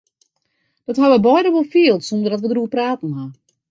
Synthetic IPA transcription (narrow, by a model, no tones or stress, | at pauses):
d̥ɔthaʋəbɔjdəʋolˠfiəlˠtsɔndərdɔtʋədruəpraːtn̩ha